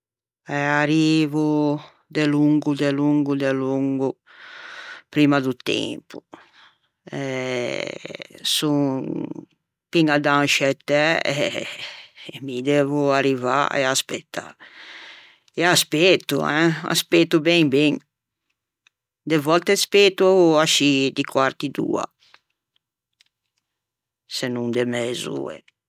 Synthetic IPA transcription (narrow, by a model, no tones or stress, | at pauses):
ɛaɾivu | d̪eluŋɡud̪eluŋɡud̪eluŋɡu | pɾimad̪ut̪ɛ̰̃mpu̥ | ɛ | su | piŋad̪ãnʃɛt̪ɛɛ | mid̪ɛvuariva̰ḛaspet̪ːa̰ | easpet̪ṵɛ̃a̰spet̪ubɛŋbeŋ | d̪evɔlt̪espet̪uaʃid̪ikwaɾt̪id̪ṵːa̰ | senũnd̪emezṵɛ̰